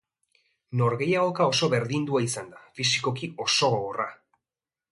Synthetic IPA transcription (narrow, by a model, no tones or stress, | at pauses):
no̞ɾɣe̞jaɣo̞kao̞so̞βe̞ɾðind̪uaisand̪afisiko̞kio̞so̞ɣoɣora